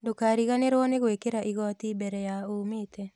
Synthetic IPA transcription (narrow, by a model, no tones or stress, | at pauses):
dokaɾiɣaneɾwɔneɣwekeɾaʔiɣɔt̪ibɛɾɛjaometʰɛ